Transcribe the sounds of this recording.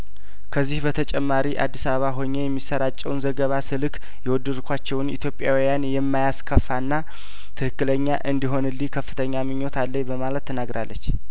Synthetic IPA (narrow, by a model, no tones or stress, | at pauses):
kʰəzːihbət̪ʰət͡ʃʼɛmːaɾiʔa̰d̪ːisaβəβaɦo̞ɲːejɛmːisəɾat͡ʃʼːɛwnzəɡəβasɨlɨk | jɛwɔd̪ːɨd̪kʰʷat͡ʃːɛwnḭt̪ʰjo̞pʼːjawijanjɛmːajaskʰəfːanːa | t̪ʰɨhɨkːɨləɲːaʔɨnd̪iɦo̞nɨlːikʰəfːɨt̪ʰəɲːamɨɲːo̞t̪alːəɲbəmalət̪ːʰənaɡɾʔa̰lːət͡ʃː